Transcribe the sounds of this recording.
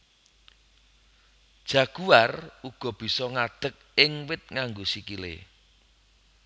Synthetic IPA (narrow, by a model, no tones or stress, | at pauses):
d̥ʒ̥ä̤ɡ̥uaruɡ̥ɔ̤b̥i̤sɔŋaɖ̪̥ə̤k̚ɪŋwɪt̪̚ŋaŋɡosikilḛ